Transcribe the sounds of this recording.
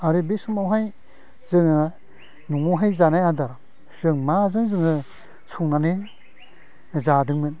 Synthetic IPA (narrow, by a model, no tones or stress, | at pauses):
aɾɯbesɯmawɦaj | zɯŋɯ | nuŋuɦajzanajadaɾ | zɯŋmazɯŋzɯŋɯ | sʰuŋnane | zadɯŋmɯn